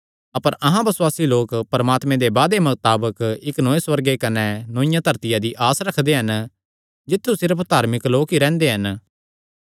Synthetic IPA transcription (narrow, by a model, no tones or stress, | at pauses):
ɐpəɾɐɦãbɐswaːsiloːkpɐɾɐmaːt̪mẽd̪ebaːd̪emɐt̪aːbəkɪknoːẽswɐɾɡekɐnɛnõːɪ̃jãt̪ʰɐɾt̪ɪjad̪iʔaːsɾɐkʰd̪eɦɐn | d͡ʒɪt̪ʰːusɪɾəpʰd̪ʱaːɾmɪkloːkiɾɛ̃ːnd̪eɦɐn